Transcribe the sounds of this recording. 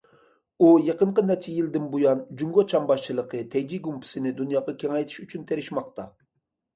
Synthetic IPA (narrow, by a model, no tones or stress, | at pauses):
ujeqəɴqənɛt͡ʃʰɛjild̪ɪnbujɑnd͡ʒuŋɡot͡ʃʰɑmbɑʃt͡ʃʰɨlˠəqʰət̪ʰɛjd͡ʒ̪iɡumpʰɪ̥sɪnɪd̪unjɑːʁɑkʲʰɛŋɛjt̪ʰi̥ʃyt͡ʃʰynt̪ʰeɾɪʃmɑqt̪ɑ